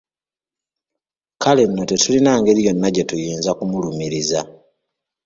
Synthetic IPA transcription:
kale̞nːo̞te̞tulinaːŋɡe̞ɾijo̞nːaɟe̞tujiːnzakumulumiɾiza

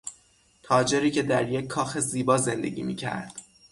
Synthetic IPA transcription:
t̪ʰɒːd͡ʒe̞ɾiːcʰe̞d̪æɾjecʰːɒːxe̞ziːbɒːze̞nd̪e̞̰ɟʲḭːmḭːcʰæ̰ɾd̪̥

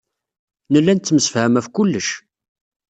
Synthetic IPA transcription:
nəlːænt̪θːməsə̥fhæmæfkʊlːəʃ

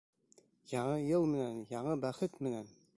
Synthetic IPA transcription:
jɑɴɤjɤlˠmɘ̆nænjɑɴɤbæχɘt̪mɘ̆næn

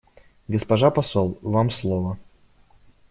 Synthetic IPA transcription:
ɡəspɐʐapɐsolˠvamslˠovə

